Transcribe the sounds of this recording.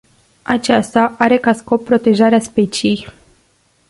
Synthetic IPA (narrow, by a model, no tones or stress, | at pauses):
at͡ʃast̪aʔaɾe̞kasko̞pːɾo̞t̪e̞ʒaɾeaspe̞t͡ʃiij